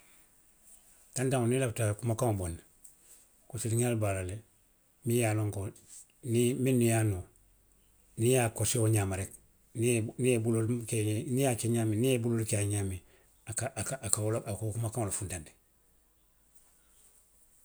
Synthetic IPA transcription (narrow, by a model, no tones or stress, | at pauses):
tandaŋonilaftakumakaŋoboni | kosiliɲalbalale | mijaːloŋko | niminːijano | nijakoseoɲamaɾek | niniebulolkenijat͡ʃeɲaminijebulolkeaɲami | akakakaoloakokumakaŋolofundandi̥